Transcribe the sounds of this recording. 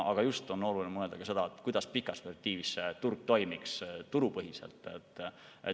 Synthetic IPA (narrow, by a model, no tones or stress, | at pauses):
ɑ̰ɡ̥ɑjust̪o̞nːolulinmɤ̞e̞ld̪ɑkɑse̞d̪̥ɑet̪ːˑkujd̪̥ɑspikˑɑsvert̪iːvisːet̪urɡ̥̚t̪o̞jmikst̪uɾupɤɦise̞̰lt̪ːˑe̞t̪ːˑ | e